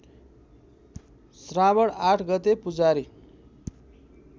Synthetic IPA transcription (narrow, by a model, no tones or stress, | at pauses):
srabʌɽaʈʰɡʌt̪epud͡zaɾi